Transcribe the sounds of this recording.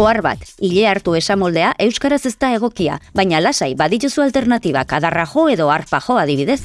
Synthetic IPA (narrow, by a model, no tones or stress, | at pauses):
oarβa̰t̪iʎe̞aɾt̪ue̞samo̞ld̪e̞aʔe̞wskaɾase̞st̪ae̞ɣ̞o̞kia̰βajɲalasajβaðit̪usualt̪e̞ɾnat̪iβ̞a̰kaðaraʝo̞e̞ðo̞aɾpaʝo̞aðiβ̞iðe̞s